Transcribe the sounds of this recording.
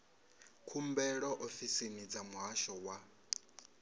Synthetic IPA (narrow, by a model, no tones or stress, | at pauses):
kʰumbɛɺɔʔɔfisinid͡zamuɦaʃɔwa